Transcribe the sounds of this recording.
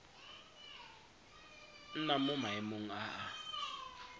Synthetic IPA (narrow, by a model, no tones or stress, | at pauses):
n̩namumaimuŋ̩aʔa